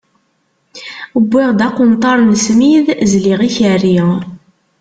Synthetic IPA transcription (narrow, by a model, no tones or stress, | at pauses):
əbːiʁd̪ɑqʊnt̪ˤɑɾˤnsmiðzliʁiçərːi